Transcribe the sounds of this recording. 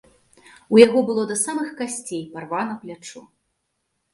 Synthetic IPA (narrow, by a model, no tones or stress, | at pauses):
ujaɣɔbɨlˠɔd̪ɐsamɨxkasʲt͡sʲejparvanɐplʲat͡ʂu